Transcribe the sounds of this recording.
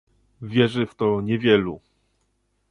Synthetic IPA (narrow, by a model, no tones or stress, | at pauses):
vʲjɛʐɘft̪ɔɲɛvʲjɛlu